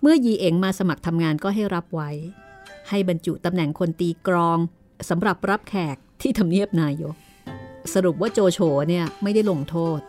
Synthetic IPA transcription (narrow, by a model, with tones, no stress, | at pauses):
mɯ˥˩ɐjiː˧ʔeː˧ŋmaː˧sa˧ma˨˩k̚t̪ʰa˧mŋaː˧nkɔː˥˩ɦa˥˩jɾa˦˥p̚wa˦˥jha˥˩jba˧nt͡ɕṵ˨˩t̪a˧mnɛ˨˩ŋkʰo˧nt̪iː˧kɾɔː˧ŋ | sa˩˦mɾa˨˩p̚ɾa˦˥p̚kʰɛː˨˩k̚t̪ʰiː˥˩t̪ʰa˧mni˥˩əp̚naː˧jo˦˥k̚ | sa˧ɾu˨˩p̬̚waː˥˩t͡ɕoː˧t͡ɕʰoː˩˦ni˥˩ɐma˥˩jda˥˩jlo˧ŋt̪ʰoː˥˩t̪̚